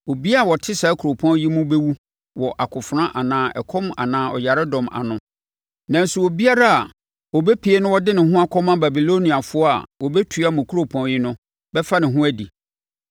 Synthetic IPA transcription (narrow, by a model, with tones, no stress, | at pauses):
o˨bi˦a˦˨wɔ˨tʰɪ˦sa˨˦kʰu˨ɾo˨pʰɔ̃˦ji˦mʊ̃˦be˦wu˦ | wɔ˨ʔa˨kʰʊ˨fʊ˨ɾã˦ʔa˨nãː˦ʔɛ̰˨kʰɔ̃˦m˦a̰˨nãː˨˦ɔ̰˨ja˨ɾɛ˦dɔ̃˨ma̰˨nʊ̃˨ | nã˨n̩˦su˨wo˨bi˦a˦ɾa˦a˨ | wɔ˨bɛ˦pʰi˨e˦nʊ̃˦wɔ˦dɪ˦nɪ̃˨ɦʊ̃˦a˦kʰɔ˦mã˦ba˨bi˨lo˦nĩ˨a˨fʊ˦ɔ˦a̰˨wɔ˨bɛ˦tʰu˨˦a˦mʊ̃˨kʰu˦o˨pʰɔ̃˨n˦ji˦nʊ̃˦ | bɛ˦fa˦nɪ̃˨ɦʊ̃˦æ˦di˨